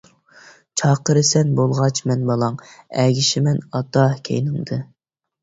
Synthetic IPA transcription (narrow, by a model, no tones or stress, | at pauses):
t͡ʃʰɑːqəɾɨsɛnbolˠʁɑt͡ʃmɛnbɑlˠɑŋɛɡʲiʃɪmɛnɑt̪ɑkʲʰḛjnɨŋd̪ɨ